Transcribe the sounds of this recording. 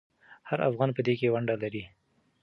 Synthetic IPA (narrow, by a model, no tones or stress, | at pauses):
haɾa̰fɣɑnpəd̪ekewaɳɖalaɾi